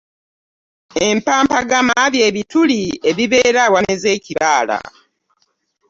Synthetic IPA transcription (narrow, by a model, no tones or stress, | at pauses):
e̞mpaːmpaɡamaβje̞ːβitulie̞βiβe̞ːɾawameze̞ːciβaːla̰